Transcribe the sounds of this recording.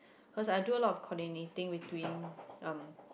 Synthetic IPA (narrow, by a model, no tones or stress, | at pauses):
kʰɔsajduəlɔtɔfkʰɔndinetĩŋwitwĩnãm